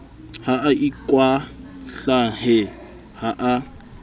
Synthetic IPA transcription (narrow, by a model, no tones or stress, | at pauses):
haʔːikʼwaɬaɦɛ | haʔa